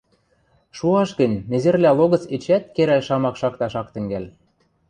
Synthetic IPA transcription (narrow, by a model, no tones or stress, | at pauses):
ʃuɑʃɡə̆nʲnĕzĕrlʲæloɣɤ̆t͡set͡ɕæt̪̚keɾælʲʃɑmɑkʃɑkt̪ɑʃɑkt̪ɘ̆ŋɡælʲ